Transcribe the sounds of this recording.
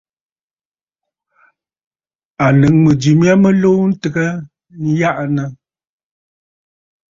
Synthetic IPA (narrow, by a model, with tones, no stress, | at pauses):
a˨lɨ˨˦ŋmə˨d͡ʒi˨mja˦mə˦lo˦n̩˦tə˨ɡə˦ | n̩˦ja˦ʔnə˨